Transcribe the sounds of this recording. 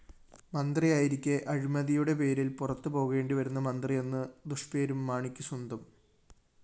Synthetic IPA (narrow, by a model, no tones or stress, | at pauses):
mɐnd̪rijaːjiɾikʲːeʔɐɻimɐðijuɽe̞pe̞ːɾilpurɐt̪ːupo̞ːɣe̞ːɳɖiʋɐɾunːɐmɐnd̪rije̞nːɨd̪uʂpe̞ːɾumːaːɳikʲːɨswɐnd̪ɐm